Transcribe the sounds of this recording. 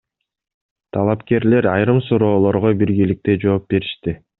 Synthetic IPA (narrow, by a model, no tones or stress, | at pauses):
t̪ʰɑlˠɑpke̞ɾle̞ɾɑjɾɯmsuɾo̞ːlˠo̞ɾʁobiɾɡilik̚t̪e̞d͡ʒo̞ːp̚be̞ɾiʃt̪i